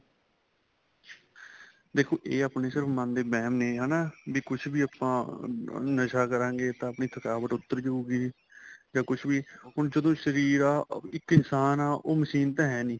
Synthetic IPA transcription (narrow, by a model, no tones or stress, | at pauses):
d̪eːkʰoːʔeːaːpneːsɪɾfmãnd̪eːbɛːmneːɦɛːnaːbiːkʊt͡ʃʰbiːaːpãː | nəʃaːkəɾãːŋɡeːt̪ãːəpniːt̪ʰəkaːʋət̪ʊt̪ːəɾd͡ʒouːɡiː | d͡ʒaːkʊt͡ʃʰbiːɦʊnd͡ʒəd̪õːʃəɾiːɾaːɪkɪnsaːnaːʔoːməsiːnt̪ãːɦɛːniː